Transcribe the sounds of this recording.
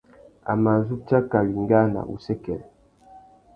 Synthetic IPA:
a̰˨ma˨zu˦ta˦ka˨wi˨ŋ˦ɡa˦na̰˨ṵ˨sɛ˦kɛ˨l

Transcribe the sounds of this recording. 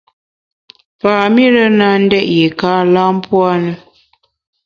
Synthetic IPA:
paː˨mi˦ɾə˦na˨n̩˦dɛ˦ʔje˨kaː˦la˦m˦pwa˦nə˨

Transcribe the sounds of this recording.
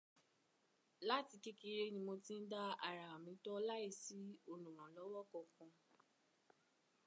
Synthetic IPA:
la˦ti˧ke˦ki˧˦ɾe˦˧nĩ˧mo˧ti˦n̩˦da˦a˨ɾa˨a˨mĩ˨˦tɔ˦la˦i˦˧˨si˨˦o˧˨nũ˨ɾ̃ã˨lɔ˨˦wɔ˦kɔ̃˧˨kɔ̃˧

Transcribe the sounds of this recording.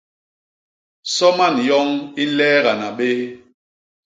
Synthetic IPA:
sɔ˦ma˦˨njɔ˦ŋi˦lɛː˦ɣa˨na˨ɓe˦

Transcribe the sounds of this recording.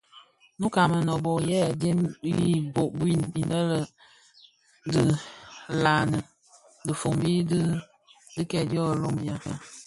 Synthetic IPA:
nu˦ka˨mə˨nɔ˨bɔ˨jɛ˦˨de˦mbi˦bo˨ʔbwi˦˨nbi˨nə˦lə˨ | də˦la˨nə˨ | də˨fo˨ŋbi˦d | di˦kɛ˨djɔ˦˨lo˦mbja˦ka˦

